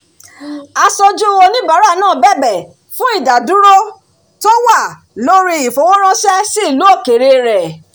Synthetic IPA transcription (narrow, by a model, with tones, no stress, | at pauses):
a˧sɔ˧d͡ʒu˦˧wo˧nĩ˦ba˨˦ɾa˦˨nãː˦˨bɛ˦˨bɛ˨ | fũ˦i˦˨da˨dũ˨˦ɾo˦ | tɔ˦wa˦˨ | lo˦ɾi˧i˨fo˨˦wɔ̃˦ɾ̃ã˦ʃɛ˦si˦i˦˨lo˨˦o˦˨ke˨ɾe˧ɾɛ˨